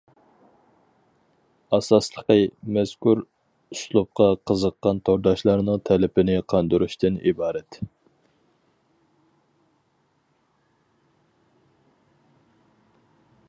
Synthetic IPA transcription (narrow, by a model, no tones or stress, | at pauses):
ɑsɑslˠəqəmɛskuɾ | uslˠup̚qɑqʰəzəqːɑnt̪ʰoɾd̪ɑʃlˠɑɾnɨŋt̪ʰɛlɪpʰɪnɪqʰɑnd̪uɾuʃt̪ʰɨnḭbɑːɾɛt̪